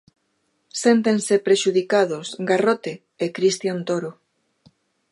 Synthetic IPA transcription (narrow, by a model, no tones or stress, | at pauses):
sent̪̬ensepɾeʃuð̞ikað̞osɡarot̪eː | kɾist̪jant̪oɾo